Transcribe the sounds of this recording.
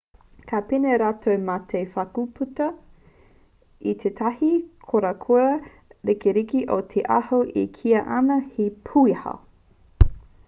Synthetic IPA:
kʰapineɾatʰowmatʰejfɐkupʰutɐ | itʰetʰɐhikʰoɾɐkʰoɾɐ | ɾikeɾikiʔotʰeʔɐhoʔikʰiɐʔɐnɐhipʰuihɐ̰

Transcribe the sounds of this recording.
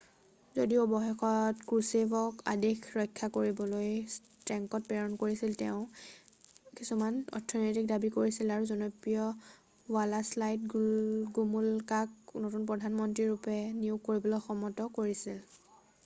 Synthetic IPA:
zodiɔbɔxɛxɔtkɹusebɔka̰dexʰɹɔjkʰːakoɹibɔlojs | tɹɛŋkɔt̚pɛɹɔnkoɹisiltɛʊ̃ | kisumanɔ̰tʰːɔnɔjtik̚dabikoɹisilaɹuzɔnɔpɹijɔ | walaslajt̚ɡɡumulkaknotunpɔdʱanmɔntɹiɹupɛniukoɹibɔlɔxɔmɔtɔkoɹisil

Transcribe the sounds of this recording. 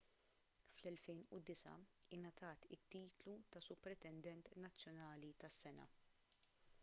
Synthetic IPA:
flɛlfɛjnʊd̪ɪsɐ̰ɪnɐt̪ʰɐːt̪ɪt̪ːiːt̪lut̪ɐsʊpːɾɛt̪ɛnd̪ɛnt̪nɐt͡sːjɔnɐːlit̪ɐsːɛnɐ̰

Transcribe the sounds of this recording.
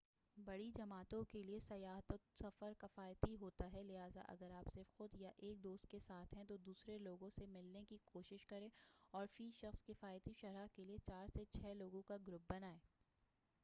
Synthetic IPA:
bɐɽid͡ʒɐmaːt̪õkeliesɐjaːɦt̪ət̪sɐfəɾkɐfaːjt̪iɦoːt̪aɦɛlɪɦaːza̰ʔɐ̰ɡəɾaːpsɪɾfxʊd̪jaʔeːk̚d̪oːst̪̚kesaːt̪ʰɦɛ̃t̪̬od̪uːsɾeloːɡõsemɪlnekikʰoːʃɪʃkɐɾẽːɔːɾfiːʃɐxskɪfaːjt̪iʃɐɾakeliet͡ʃaːɾset͡ʃʰɛːloːɡõkaɡɾʊp̚bɐnaːẽː

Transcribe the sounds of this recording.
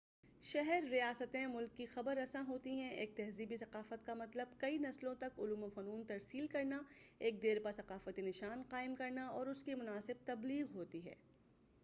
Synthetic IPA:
ʃɛɦɛɾːijaːsət̪ẽmʊlkːixɐbəɾɐsãɦoːt̪iɦɛ̃eːk̚t̪ɛɦziːbisɐqaːfət̪̚kamɐt̪ləb̚kɐinɐslõt̪ɐkʊluːmofɐnuːnt̪ɐɾsiːlkɐɾnaeːk̚d̪eːɾpasɐqaːfət̪inɪʃaːnqaːɪmkɐɾnaɔːɾʊskimʊnaːsɪb̚t̪ɐbliːɣɦoːt̪iɦɛ̰ː

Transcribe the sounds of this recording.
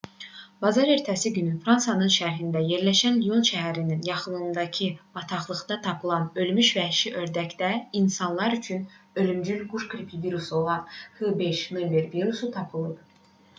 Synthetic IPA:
bɑzɑɾe̞ɾt̪ʰæsiɟynyfɾɑnsɑnɯnʃæɾɦind̪æje̞ɾlæʃænlijo̞nʃæɦæɾininjɑχɯnɯnd̪ɑcʰib̥ɑt̪ʰɑχlˠɯɣd̪ɑt̪ʰɑpʰɯlˠɑnø̞lmyʃvæhʃiʔø̞ɾd̪æcd̪æinsɑnlˠɑɾyt͡ʃʰynø̞lymd͡ʒylɡuʃkɾipʰiviɾuso̞lˠɑnhɯbe̞ʃmilveɾviɾusut̪ʰɑpʰɯlˠɯp̚

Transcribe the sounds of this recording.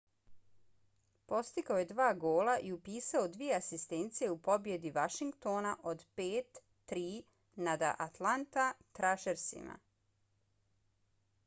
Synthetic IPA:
po̞st̪ikaoje̞d̪ʋaːɡo̞ːlaʔiupiːsaod̪ʋije̞asist̪ent̪sije̞upo̞bje̞d̪iʋaʃiŋɡt̪o̞naʔo̞d̪peːt̪ː | ɾiː | nad̪aʔat̪lant̪at̪ɾaʃeɾsḭma̰

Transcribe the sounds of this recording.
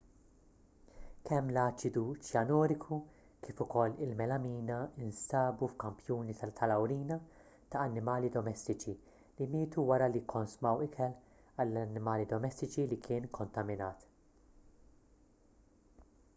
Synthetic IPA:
kʰɛmːlɐːt͡ʃɪd̪ut͡ʃjɐnɔːɾɪkʰu | kiːfʊkɔlːɪlmɛlɐmiːnɐɪnsɐːbufkɐmpjuːnit̪ʰɐlɐwɾiːnɐ | t̪ɐɐnːɪmɐːlid̪ɔmɛst̪ɪt͡ʃi | limɪːt̪uwɐɾɐlikʰːɔnsʊmɐwɪkʰɛl | ɐlːɐnːɪmɐːlid̪ɔmɛst̪ɪt͡ʃilikʰɪːnkʰɔnt̪ɐmɪnɐːt̪

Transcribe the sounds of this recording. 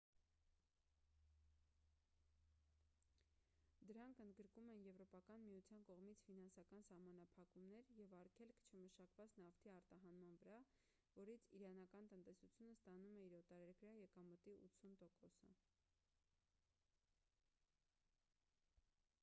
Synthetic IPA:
d̪əɾɑŋkʰənd̪ɡəɾkumɛnjɛvɾɔpɑkɑnmijut͡sʰjɑnkɔʁmit͡sʰfinɑnsɑkɑnsɑhmɑnɑpʰɑkumnɛɾjɛvɑɾkʰɛlkʰt͡ʃʰəməʃɑkvɑt͡snɑft̪ʰiɑɾt̪ɑɦɑnmɑnvəɾɑ | vɔɾit͡sʰiɾɑnɑkɑnt̪ənt̪ɛsut͡sʰjunəst̪ɑnumɛiɾɔt̪ɑɾɛɾɡɾɑjɛkɑmət̪iṵt͡sʰunt̪ɔkɔsə̰

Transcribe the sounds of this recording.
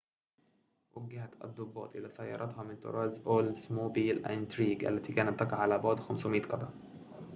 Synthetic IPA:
waɡaɦat̪ʔɑ̰d̪ˤːʊbːɑ̰ːt̪ˤʔɪlasajːɑ̰ɾˤʔɑt̪hɑmɪnt̪ɑ̰ɾˤɑːzʔoːlzmobiːlʔa̰ɪnt̪ɾiːɡʔa̰lːat̪iːkaːnat̪ːɑqɑʕalaːbɑʕd̪ˤxamswmiːt̪qɑd̪ɑ

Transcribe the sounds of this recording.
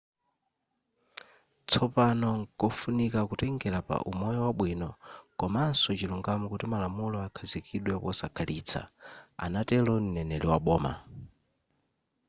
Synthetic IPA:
t͡sʰɔpanɔkɔfunikakutɛŋɡɛɾapa̰ʔumɔjɔwaɓwinɔkɔmansɔt͡ʃiluŋɡamukutimalamulɔakʰazikʰiɗwɛpɔsakʰaliːt͡sʰa̰a̰natɛlɔn̩nɛnɛliwaɓɔːma̰

